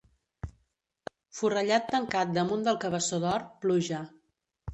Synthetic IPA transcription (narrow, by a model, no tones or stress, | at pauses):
furəʎat̪ːəŋkat̪̚d̪əmund̪əlˠkəβəsoðɔrpluʒə